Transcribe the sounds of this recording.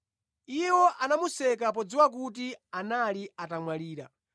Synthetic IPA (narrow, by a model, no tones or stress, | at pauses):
iwɔʔanamusɛkap̬ɔd͡ziwak̬ut̬ianaliatamwaliːɾa̰